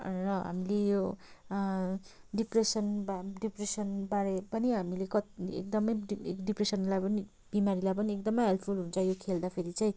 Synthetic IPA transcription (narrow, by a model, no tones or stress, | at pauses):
rʌɦa̰milejo | ɖipresʌnbaɖipresʌnbaɾepʌniɦamilekʌt̪ḛk̚d̪ʌmʌjkɖipresʌnlajpʌni | b̥imaɾilajpʌniekd̪ʌmʌjɦelpʰulɦunt͡sʰʌjokʰeld̪apʰeɾit͡saj̃